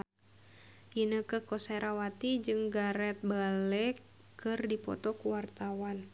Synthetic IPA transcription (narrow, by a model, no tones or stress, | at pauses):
ʔinəkəhkɔsɛɾawat̪id͡ʒɨŋɡaɾɛt̪̚baləkː | ɨrdipɔ̰t̪ɔkuwart̪awan